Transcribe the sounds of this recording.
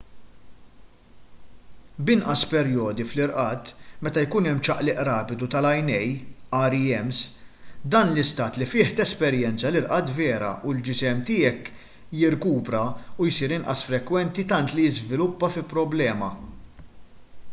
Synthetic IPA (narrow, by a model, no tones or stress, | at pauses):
bɪnʔɐspɛɾjɔːd̪iflɪɾʔɐːt̪mɛt̪ɐjkuːnɛmːt͡ʃɐʔlɪʔɾɐːpɪd̪ut̪ɐlɐjnɛjɐːɾiɛmsd̪ɐːnlɪst̪ɐːt̪lifɪːħt̪ɛspɛɾjɛnt͡sɐlɪɾʔɐt̪vɛːɾɐ̰ʔuld͡ʒɪsɛmt̪ɪːɛk | jɪɾkuːpɾɐujsiːɾɪnʔɐsfɾɛkːwɛnt̪it̪ɐnt̪lɪjɪzvɪlʊpːɐfɪlpɾɔblɛːmɐ